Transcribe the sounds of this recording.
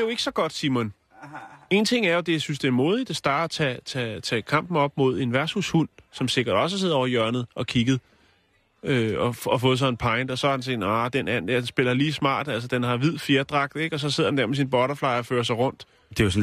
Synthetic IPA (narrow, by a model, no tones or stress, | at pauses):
d̥ejoe̝ɡ̥ə̥sɒ̽ɡ̥ɒ̽d̥simɔn | e̝nt͡sʰe̝ŋ̰æɐjo̝d̥e̝jasynsd̥e̝æɐmo̝ːðˠid̥æsd̥ɑ̈ːdɐt͡sʰɛt͡sʰɛt͡sʰɛkʰɑ̈m̰b̥n̩ɒ̽b̥̚mo̝ð̞̰ˠe̝nʋæɐsushun̰sɒ̽mse̝ɡ̥ɐɾ̥ɒ̽s̬əse̝ðˠɒ̰ʊɐjœɐnð̩ˠʔɒ̽kʰiɡ̥ð̩ˠ | øɒ̽ɒfɔ̽ːð̞̩ˠsɒ̽npʰɑ̈ɪnd̥ɒ̽sɒhɑ̈d̥ense̝̥ɑd̥enæn̩d̥eɐd̥ensb̥e̝l̰ɐliːsmɑ̰̈ːd̥ælsəd̥enɦɑ̈ʋið̞̰ˠfjeɐd̥ʁɑ̈ɡ̥̚d̥ˠeɡ̥ɒ̽sɒ̽s̬eð̰ˠdend̥eɐmes̬inb̥ɒɾɐflɑ̈ɪɒføːɐɐsɑ̈ɪʁɔ̽n̰d̥ | d̥e̝jos